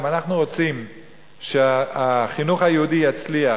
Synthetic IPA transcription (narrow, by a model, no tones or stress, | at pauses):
manaχnuʁo̞t͡sim | ʃeaχinuχajeudijat͡slia